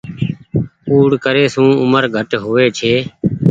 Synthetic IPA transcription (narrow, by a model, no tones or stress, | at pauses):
uːɽkəɾeːsũːʊməɾɡʱəʈɦoːʋeːt͡ʃʰeː